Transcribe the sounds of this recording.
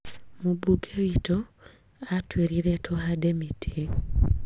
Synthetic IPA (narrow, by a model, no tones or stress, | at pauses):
mubukʰewito | atweɾiɾetʰoɦademitʰi